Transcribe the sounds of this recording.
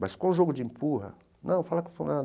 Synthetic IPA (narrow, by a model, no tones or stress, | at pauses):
baskõũʒoɡʊd͡ʒiĩmpuɦɐ̰ | nɐ̃w̃falakfũna